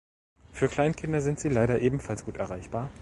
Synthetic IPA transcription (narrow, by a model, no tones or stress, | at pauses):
fyːɐkʰl̥aɪnkʰɪndɐzɪntz̥iːlaɪɾɐʔeːbm̩falsɡ̥uːtɛɐʁaɪçb̥aːɐ